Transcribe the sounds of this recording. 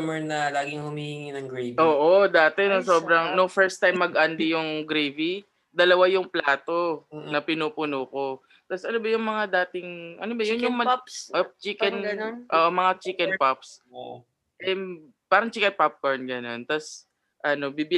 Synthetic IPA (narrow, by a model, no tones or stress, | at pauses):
mɛɹnɐlaːɡɪŋhʊmiːhɪŋinɐŋɡɾeoːʔod̪aːt̪ɛnosoːbɾɐŋnoŋfɛɹst̪ajmːɐɡʔɐnd̪ɪjʊŋɡɾevi | d̪ɐlɐwajʊŋplaːt̪o̞nɐpɪnuːpʊnoko̞ | t̪asʔɐnobɐjʊŋmɐŋad̪aːt̪ɪŋʔɐ̰nobɐjʊnjʊŋmɐʔot͡ʃikɛnnnʔoːʔomɐŋat͡ʃikɛnpaps | ʔɛ | paːɾɐŋt͡ʃikɐn̚pap̚kɐɹnɡɐno̞nt̪as | ʔɐno̞bibɪ